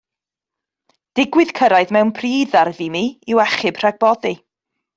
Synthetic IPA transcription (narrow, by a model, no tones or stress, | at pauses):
d̥ɪɡwɪð̥kʰəɾajðmɛwnpʰriːðarðimiɪwɛχɨbr̥aɡ̚bɔði